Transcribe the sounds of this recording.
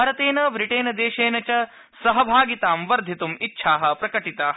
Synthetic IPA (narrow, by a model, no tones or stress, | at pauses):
aːɾɐt̪eːnɐbɾiʈeːnɐd̪eːʃeːnɐt͡ʃɐ | sɐɦɐbʱaːɡit̪aːmʋɐɾd̪ʱit̪umitːʃʰaːɦɐ̆pɾɐkɐʈit̪aːɦ